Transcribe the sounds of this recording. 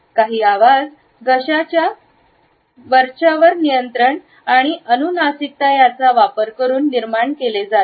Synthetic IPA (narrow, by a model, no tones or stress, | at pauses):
kaɦiːaʋad͡z | ɡʱəɕat͡ɕja | ʋəɾʂaʋəɾnijənt̪ɾəɳ | aɽ̃iʔənunasik̚t̪ajat͡saʋapəɾkəɾuːnːiɾmaɳkeled͡za